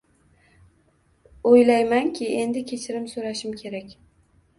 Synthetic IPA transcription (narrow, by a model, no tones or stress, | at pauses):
ojlajmankʲʰɪe̞nd̪ɪkʲʰe̞t͡ʃʰɪɾɪmsoɾaʃɪmkʲʰe̞ɾakʲ